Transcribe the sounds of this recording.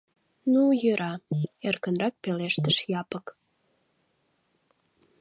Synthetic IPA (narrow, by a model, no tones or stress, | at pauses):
nujøɾʔɑerkənrɑk̚peleʃt̪əʃjɑpək